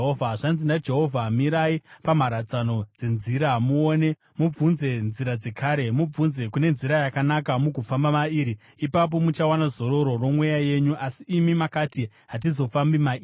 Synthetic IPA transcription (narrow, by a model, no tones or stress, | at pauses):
ɦovʱaʐanzindad͡ʒe̞ɦo̞vʱaɦːmiɾaipamaɾat͡sano̞d͡ze̞nziɾamuone̞ | mub͡vunze̞nziɾad͡ze̞kʰaːɾe̞mub͡vunze̞kune̞nziɾajakanakamukufambamaiːɾiː | pap̬o̞mut͡ʃawanazo̞ɾo̞ɾo̞ro̞mwejaje̞ɲuʔasiːmimakati | ɦat̬izo̞fambima